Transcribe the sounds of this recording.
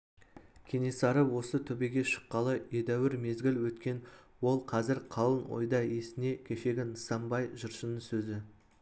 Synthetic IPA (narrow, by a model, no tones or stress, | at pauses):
kʲʰe̞ne̞sɑɾəwo̞sət̪ʰɵbeɡʲe̞ʃə̥qːɑlˠəe̞d̪æwɪɾme̞zɡʲɪlwɵt̪kʲe̞n | wo̞lˠqʰɑzɪɾqʰɑlˠənwo̰jd̪ɑe̞sɪne̞kʲʰe̞ʃe̞ɡʲɪnəsɑmbɑjʒəɾʃənəŋsɵzɪ